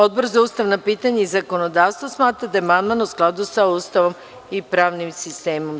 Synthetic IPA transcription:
od̪̚boɾzauːst̪aʋnapit̪aɲeizakonod̪aːʋst̪ʋosmaːt̪ɾad̪aemanmanousklˠad̪usauːst̪aʋo̞m | ipɾaːʋnimsist̪eːmom

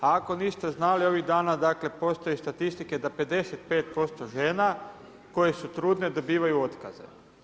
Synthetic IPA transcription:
aako̞niːst̪e̞znalio̞ʋiɣd̪aːnad̪aːkle̞po̞st̪ojest̪at̪ist̪iked̪ape̞d̪e̞set̪̚pe̞ːt̪̚po̞st̪oʒeːna | ko̞jesut̪ɾuːd̪ne̞d̪o̞biːʋajuo̞t̪ka̰ze̞̰

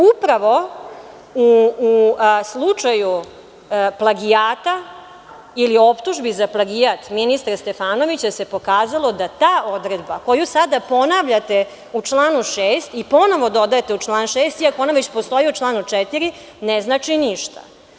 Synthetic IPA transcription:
upɾaʋo̞ | uː | slˠut͡ʂaju | plˠaɡiaːt̪a | ilio̞pt̪uʒbizaplˠaɡijat̪minist̪ɾst̪e̞faːno̞ʋit͡ɕase̞po̞kaːzalˠo̞d̪at̪aːʔo̞d̪ɾed̪bako̞jusad̪apo̞naʋʎat̪e | ut͡ʂlˠaːnuʃeːst̪ipo̞no̞ʋo̞d̪o̞d̪ajet̪eut͡ʃlˠaːnʃeːst̪iakoonaʋet͡ɕpo̞st̪o̞iut͡ʂlˠaːnut͡ʂɛt̪iɾi | neznaːt͡ʂiniʃt̪a̰

